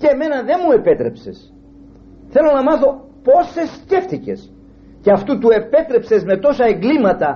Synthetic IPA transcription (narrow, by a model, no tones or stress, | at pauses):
ceeme̞nɐðe̞nmue̞pe̞t̪ɾe̞pse̞̰s | θe̞lo̞nɐmɐθo̞ | po̞se̞sce̞ft̪ice̞̰s | ceɐft̪ut̪ue̞pe̞t̪ɾe̞pse̞zme̞t̪o̞sɐe̞ŋɡlimɐt̪ɐ